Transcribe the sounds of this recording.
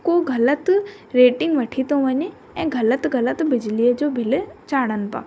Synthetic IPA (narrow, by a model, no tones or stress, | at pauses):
koɡʱɐlət̪ | ɾeːʈɪŋɡʋɐʈʰiːt̪õːʋɐni | ɛ̃ːɡʱɐlət̪ɡʱɐlət̪bɪd͡ʒlijed͡ʒoːbʱɪlt͡ʃaːɽənpa̰ː